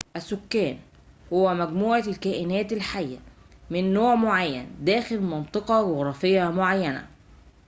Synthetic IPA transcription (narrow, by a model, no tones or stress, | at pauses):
ʔæsʊkːæːn | hʊwːæmæɡmuːʕalkæːʔɪnæːt̪ɪlħajːæmɪnːoːʕmoʕajːænd̪æːxɪlmɑnt̪ˤɨqɑɡʊɣɾˤɑːfɪjːæmoʕajːænæ̰